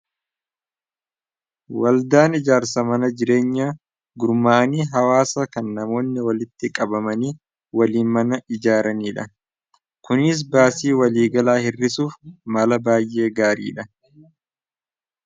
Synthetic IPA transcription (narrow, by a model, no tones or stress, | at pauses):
wɐld̪aːnɪd͡ʒaːɾsɐmɐnɐd͡ʒɪɾe̞ːɲːaː | ɡʊɾmaːniːɦɐwaːsɐkɐnːɐmo̞ːnːɪwɐlɪt̪ːɪkʼɐbɐmɐniː | wɐliːmɐnɐɪd͡ʒaːɾɐniːᶑɐ | kʊnɪs̬baːsiːwɐliːɡɐlaːhɪrːɪsuːfmɐlɐbaːjʔːe̞ːɡaːɾḭːᶑɐ